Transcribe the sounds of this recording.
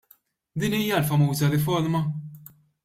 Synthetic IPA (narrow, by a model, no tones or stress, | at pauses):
d̪iːniːjɐlfɐmuːzɐɾɪfɔɾmɐ